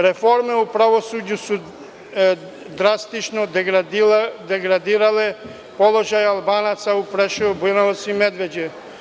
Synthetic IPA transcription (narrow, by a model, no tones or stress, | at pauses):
ɾɛfoɾmɛupɾaʋosudusu | d̪ɾast̪it͡ʃno | d̪ɛɡɾad̪iɾalɛ | polˠoʒajalˠbanat̪saupɾɛʃɔbunasimɛd̪ʋɛd͡ʑɛ